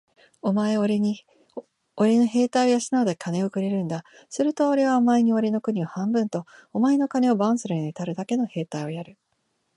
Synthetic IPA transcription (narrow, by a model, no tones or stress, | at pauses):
o̞maeoɾ | oɾe̞no̞ɦe̞ːt̪aiojasinaod̪ekʰane̞okɯ̟ɾe̞ɾɯ̟̃nd̪a | sɨɾɯ̟t̪o̞ːɾe̞β̞amaeɲ̟io̞ɾe̞no̞kɯ̟ɲ̟iohãmbɯ̟̃nt̪o̞ːmae̞no̞kane̞o̞bãsɨɾɯ̟ɲ̟inet̪aɾɯ̟d̪ake̞no̞he̞ːt̪aio̞jaɾɯ̟